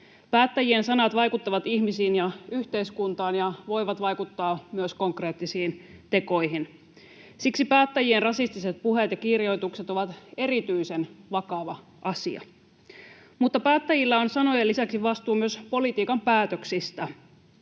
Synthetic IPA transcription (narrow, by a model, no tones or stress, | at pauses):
pæːt̪ːæjiensɑnɑt̪ʋɑjkut̪ːɑʋɑt̪içmisiːnjɑyht̪eiskunt̪ɑːnjɑʋo̞jʋɑt̪ʋɑjkut̪ːɑːmyøsko̞ŋkreːt̪ːisiːnt̪e̞ko̞jɦin | siksipæːt̪ːæjienrɑsist̪iset̪̚puɦet̪jɑkirjo̞jt̪ukset̪o̞ʋɑt̪e̞ɾit̪yisenʋɑkɑʋɑ | ʔɑsḭɑ̰ | mut̪ːɑpæːt̪ːæjilːæo̞nsɑno̞jelːisæksiʋɑst̪uːmyø̞spo̞lit̪iːkɑmpæːt̪øksist̪æ